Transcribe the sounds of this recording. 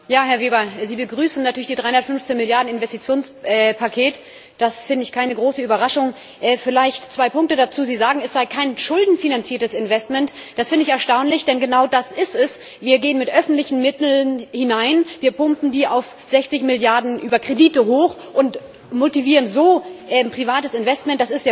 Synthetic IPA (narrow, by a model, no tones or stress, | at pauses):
jaːɦɛɐveːbɐziːbəɡʁyːsn̩natʰyːɐlɪçdiːdʁaɪʊndɐtfʏnft͡senmɪljaɐdn̩ɪnvɛstit͡sjoːnsʔɛpʰakʰeːt | d̥asfɪndəɪçkʰaɪnəɡʁoːsəyːbɐʁaʃʊŋ | ʔɛːfɪlaɪçtt͡sv̥aɪpʊŋktədat͡suːziːzaːɡŋ̩ɛsz̥aɪkʰaɪnʃʊldn̩finant͡siːɐtəsɪnvɛstmɛntd̥asfɪndəɪçɛɐʃtaʊnlɪçd̥ɛnɡənaʊdasʔɪstɛs | viːɐɡeːənmɪtʔœfn̩tlɪçn̩mɪtl̩nhɪnaɪnviːɐpʊmpn̩diːaʊf | z̥ɛçt͡sɪçmɪljaɐdn̩ʔyːbɐkʁ̥ediːtəɦoːx | ʔʊnt | motiviːʁ̞ənzoːʔɛpʁ̥ivaːtəsɪnvɛstmɛnt̚d̥asɪstja